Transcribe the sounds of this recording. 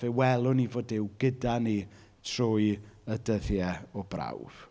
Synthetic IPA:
vewɛlˠʊnivoːdɪwɡədani | tʰrʊjədəðjɛɔbra̰wv̥

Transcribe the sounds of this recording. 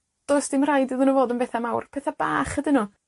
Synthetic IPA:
d̥osd̥ɪmrajdɨðɨnəvoːdənbeθamawrpʰɛθab̥aːχədɪnɔ

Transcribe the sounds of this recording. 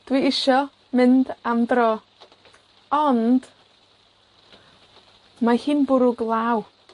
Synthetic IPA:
d̥wiːɪʃɔ | mɪndamdrɔː | ɔnd̥ | mahiːnbʊɾʊɡlˠaːw

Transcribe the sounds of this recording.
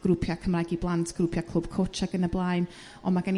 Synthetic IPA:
ɡ̥ɾʊpʰjakʰəmrajɡiblˠantʰɡ̥rʊpʰjakʰlˠʊb̥̚kʰot͡ʃaɡənəblˠajn | ɔmaɡan

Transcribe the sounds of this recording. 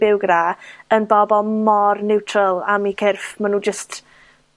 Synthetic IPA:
ɪwɡraənbɔbɔlˠmɔrnɪwtʰrəlˠamikʰɪrfmanuːd͡ʒəst

